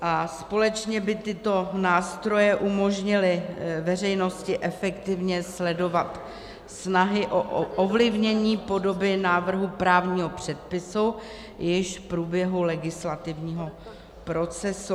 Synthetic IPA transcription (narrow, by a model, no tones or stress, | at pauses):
ʔaspo̞lɛt͡ʃɲɛbɪt̪ɪt̪o̞naːst̪ɾo̞jɛʔumo̞ʒɲɪlɪvɛrɛjno̞scɪʔɛfɛkt̪ɪvɲɛslɛdo̞vat̪ | snaɦɪʔoʔʔovlɪvɲɛɲiːpo̞do̞bɪnaːvr̩ɦupɾaːvɲiːɦo̞pr̝̥ɛt̪̚pɪsu | jɪʃfpɾuːbjɛɦulɛɡɪslat̪ɪvɲiːɦo | pɾo̞t͡sɛsu